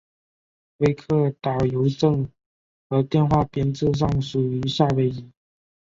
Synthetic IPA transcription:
we˧˥ɪkʰɤ˥˩t̪a˨˩ʊjo˧˥ʊʈ͡ʂɤ˥˧ŋ | xɤ˧˥t̪jɛ˥˧nxwa˥˩pjɛ˥nt͡sɹ̩˥˧ʂ̬ɑ˥˩ŋʂu˨˩y˧˥ɕa˥˧we˧˥ɪi˧˨˥

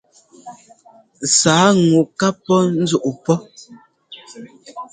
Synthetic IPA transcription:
saː˨˦ŋu˨ka˦pːɔ˦n̩˦zu˦ʔu˨pɔ˦

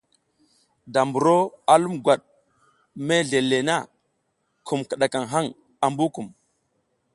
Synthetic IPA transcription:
da˨mbu˨ɾo˦a˨lu˦mɡwa˨ɗ | me˦ɮe˨le˨na˦ | kʰu˨mkə˨ɗa˨ka˨ŋɦa˦ŋ | a˨mbu˦ku˨m

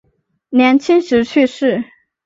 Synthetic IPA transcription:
njɛ˧˥nt͡ɕʰi˥ŋʂɻ̩˧˥t͡ɕʰy˥˧ʂɻ̩˥˩

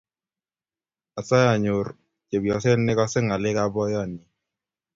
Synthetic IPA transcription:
a˨sa˦ja˨ɲo˨ɾ | t͡ʃe˨bjɔ˨se˦nːɪ˦kɔ˦sɪ˦ŋa˨lɪ˦ka˦bɔ˦jɔ˦˨ni˨

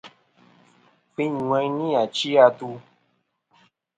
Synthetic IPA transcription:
fĩ˦ɲ˨ŋɛ̃˧˦nĩ˦a˨t͡ʃi˦a˧tu˧

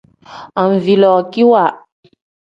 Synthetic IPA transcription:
a˨ɱ˨vi˨lɔ˨ki˦wa˨

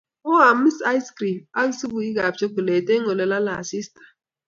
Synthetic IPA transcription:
o˦a˨mi˦sa˦jskɾi˨pa˦lsi˦bu˨i˦ɡa˨t͡ʃe˦ku˨le˨te˦ŋo˨le˨la˦la˨si˦stḁ˨

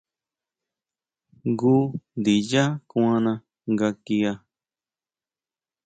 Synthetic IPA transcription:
ɡu˦nd̪i˨ja˦kũ˦ã˦nã˧ | ŋɡa˧ki˧a˧

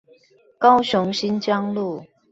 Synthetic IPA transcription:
kɑ˦ʊɕʊ˧˦ŋɕi˦˥nt͡ɕjɑ˦ŋlu˥˨

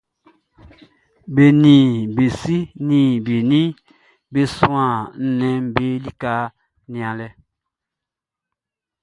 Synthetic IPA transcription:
be˨nĩ˨be˨si˦nĩ˨be˨nĩ˦ | be˦sũ˦ã˨n̩˦nɛ̃˨˦m˦be˦li˦ka˦ | nĩ˨ã˨lɛ˦

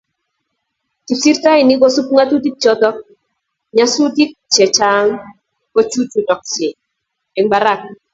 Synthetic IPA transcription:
ti˨psi˦ɾta˦ɪ˨ni˦ɡɔ˦su˦pŋa˦tu˦di˦k̚t͡ʃɔ˦tɔ˦k̚ | ɲa˦su˦di˦k̚t͡ʃe˨t͡ʃa˦ŋ | ko˦t͡ʃu˦t͡ʃu˨dɔ˨k̚t͡ʃe˨ | ɛ˨ŋɡ͡ba˨ɾa˦˨k̚

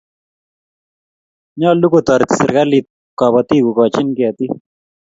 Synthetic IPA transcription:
ɲɔ˦lu˦ko˨t̪ɔ˨ɾt̪ɪ̥˨sɪ˨ɾka˦li˦t̪̚ | kɔ˨bɔ˨t̪i˦ku˨kɔ˨t͡ʃɪ˦nkɪ˨a˨t̪i˦

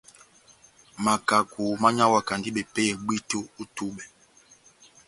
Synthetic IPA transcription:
ma˨ka˨ku˨ma˦ɲa˦wa˨ka˨ndi˦ɓɛ˨pɛ˦jɛ˨ɡ͡bi˦to˦u˦tu˦ɓɛ˨

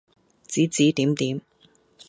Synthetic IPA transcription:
t͡siː˨˥t͡siː˨˥t̪iː˨˥mt̪iː˨˥m

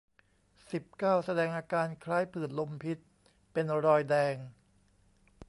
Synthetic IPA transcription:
si˨˩p̚kaː˥˩wsa˧dɛː˧ŋʔaː˧kaː˧nkʰlaː˦˥jpʰɯː˨˩nlo˧mpʰi˦˥t̪̚ | pe˧nɾɔː˧jdɛː˧ŋ

